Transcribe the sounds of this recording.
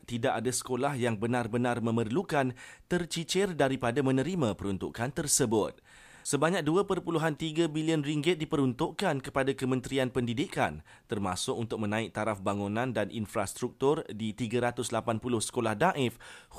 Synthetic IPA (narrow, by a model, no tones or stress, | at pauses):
t̪idaʔadasə̥kolahjaŋbənãrbənãrmə̃mərlukant̪ərt͡ʃit͡ʃɪrdaɾipadamə̃nə̃ɾimãpəɾunt̪ukant̪ərsəbʊt̪̚ | səbaɲak̚duapərpuluɦant̪iɡabiliənriŋɡɪt̪̚dipəɾunt̪ʊʔkankəpadakəmə̃nt̪ɾianpəndidika̰n | t̪ərma̰sʊʔunt̪ʊk̚mə̃nãɪk̚t̪aɾafbaŋũnãndanʔinfɾast̪ɾuk̚t̪ʊrdit̪iɡaɾat̪ʊslapanpulʊhsə̥kolahdaʔɪf